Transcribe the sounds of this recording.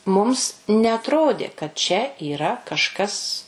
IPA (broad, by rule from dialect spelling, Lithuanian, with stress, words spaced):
ˈmʊms nʲɛɐtˈroːdʲeː kɐt t͡ʃʲɛ iːˈrɐ kɐʃˈkɐs